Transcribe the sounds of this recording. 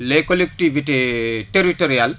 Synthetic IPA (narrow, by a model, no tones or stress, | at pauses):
lekolek̚tiviteteɾitoɾial